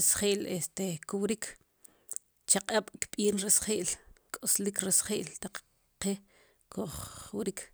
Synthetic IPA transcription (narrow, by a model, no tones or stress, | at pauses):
esχeʔlest̪ekuwɾikʰ | t͡ʃaqʼaɓ̥kɓʼiːnɾesχeʔlkʼoslikɾesχḛːʔlt̪aq͡χ | qe | kʰoχwɾikʰ